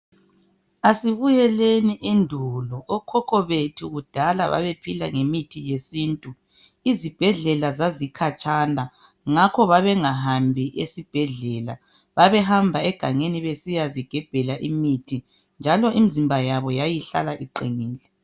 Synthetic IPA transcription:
asiβujɛleniʔendʱulɔɔkʰɔkʰɔβetʰuɣud̥ʱala̰βa̰βepʰila̰ŋemitʰijesiːntʼu | izib̥ʱɛɮɛlazazikʰat͡ʃʼana | ŋakʰɔβaβɛŋaɦambʱiʔesib̥ʱɛɮɛla̰ | βaβɛɦambʱaɛɡ̥ʱaŋeniβesijaziɡ̥ʱɛb̥ʱɛlaʔimitʰi | nd͡ʒʱalɔʔimizimbʱajaβɔjajiɬa̰laʔiǃiŋiːlɛ

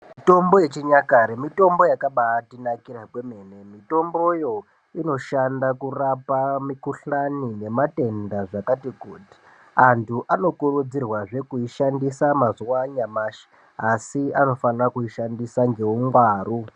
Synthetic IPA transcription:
mito̞mbo̞je̞t͡ʃiɲakaɾemito̞mbo̞jakaɓaːtinakirakweme̞ne̞mito̞mbo̞jo̞ | ino̞ʃandakurapamikuɬanine̞mate̞ndaʐakatikuːti̥ | antʰuʔano̞kurud͡zirwaʐe̞kuiʃandisamazuwaɲamaːʃi̥ | asiano̞fanrakuiʃandisaŋɡe̞uŋɡwaːru

